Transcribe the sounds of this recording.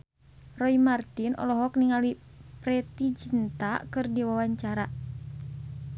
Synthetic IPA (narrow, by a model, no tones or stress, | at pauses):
rɔimart̪inʔɔ̰lɔɦɔk̚niŋali | pɾɛt̪id͡ʒint̪akɨrdiwawaɲt͡ʃaɾa